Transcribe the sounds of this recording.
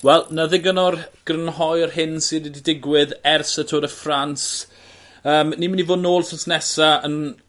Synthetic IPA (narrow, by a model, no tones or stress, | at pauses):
wɛlˠnaðɪɡənɔrɡ̥rənɦɔjərhɪnsinididɪɡwɪðɛrsətʰoːɾəfrans | əːmniːmənivoːdnoːlˠsɪnsnɛsaən